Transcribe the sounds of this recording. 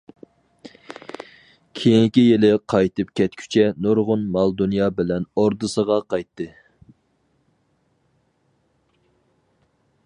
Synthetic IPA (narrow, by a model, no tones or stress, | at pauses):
kʲʰejiŋkʲijelɪqʰɑjt̪ɨp̚kʲʰɛt̪̚kʲʰy̥t͡ʃʰɛnoɾʁʊnmɑlˠd̪unjɑbɪlɛnoɾd̪ɨsəʁɑqʰɑjt̪ːɨ